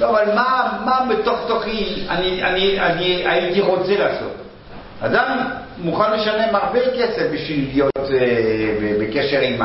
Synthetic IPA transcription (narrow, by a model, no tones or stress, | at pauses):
avalmamabet̪o̞χt̪oχianianianiait̪iʁo̞t͡selaːso̞̰t | ad̪am | muχanle̞ʃane̞maʁbekesefbiʃvilijo̞t̪ebebekeʃe̞ʁima